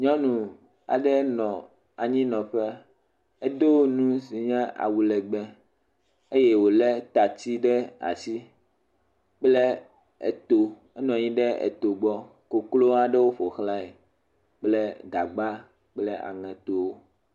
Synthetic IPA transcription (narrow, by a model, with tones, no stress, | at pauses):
ɲɔ̃˦nũ˨ | a̰˨ɖɛ˦nɔ̃˨ | a˨ɲĩ˦nɔ̃˨ɸɛ˦ | e˦d̪o˦wo˦nũ˦si˨ɲɛ̃˦a̰˨wu˨lɛ˨ɡ͡bɛ˦ | e˦jɛ˦wo˨lɛ˦t̪a˨t͡ɕ̪i˦ɖɛ˦a̰˨si˦ | k͡plɛ˦ | ɛ̰˨t̪o˦ | ɛ˦nɔ̃˨ɲĩ˦ɖɛ˦ɛ̰˨t̪o˨ɡ͡bɔ˦ | ko˨klo˦a˨ɖɛ˦wo˦ɸo˨xla˦e˨ | k͡plɛ˦d̪a˨ɡ͡ba˦ | k͡plɛ˦ʔa̰˨ŋɛ̃˨t̪o˦wo˦